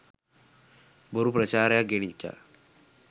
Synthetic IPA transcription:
bəɾupɾɐt͡ʃaːɾjaɡeɽ̃it͡ʃːa̰

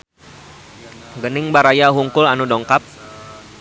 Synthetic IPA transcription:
ɡənɪŋbaɾajaɦuŋkʊlanudɔŋkap̚

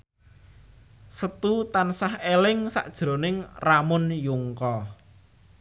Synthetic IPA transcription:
sət̪ut̪ansahelɪŋsa̰ʔd̥ʒ̥ɾo̤nɪŋramʊnjuŋkɔ

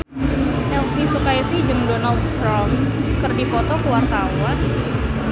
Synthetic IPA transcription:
ʔɛlbisukajisihd͡ʒəŋdɔnald̪kɾɔmkərdipɔt̪ɔkəwart̪awan

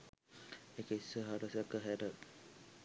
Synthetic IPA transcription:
ekəisʋəɦaɾəsjakːəɦɛɾə

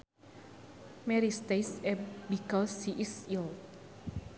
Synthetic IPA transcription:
mɛɾist̪eɪsɛbikɔshiʔisil

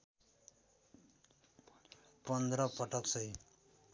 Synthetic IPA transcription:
pʌnd̪ɾʌpʌʈʌksʌj

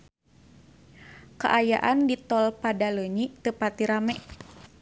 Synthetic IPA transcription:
kə̰ʔaja̰ʔandit̪ɔlpadaləɲit̪əpat̪iɾamɛ

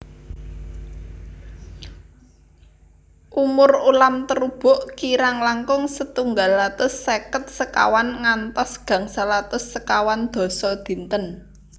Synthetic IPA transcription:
ʔumʊrulamt̪əɾub̥ʊ̤ʔkiɾaŋlaŋkʊŋsət̪uŋɡalːat̪ʊsːekət̪̚səka̰wanŋant̪ɔsɡ̥ä̤ŋsalat̪ʊsːəkawand̪̥ɔ̤sɔd̪̥i̤nt̪ən

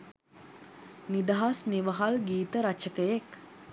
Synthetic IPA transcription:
nid̪ɐɦɐsniʋəɦalɡiːt̪əɾɐt͡ʃəkəjek

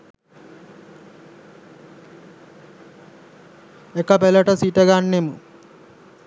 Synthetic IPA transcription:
ekːɐpelɐʈɐsiːʈɐɡaːɳːemu

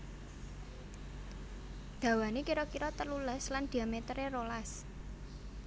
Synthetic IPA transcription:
d̪̥ä̤wanekiɾɔkiɾɔt̪əluləsland̪̥i̤amet̪əɾerolas

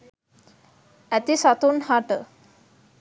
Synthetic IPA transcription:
æt̪isat̪unhaʈə

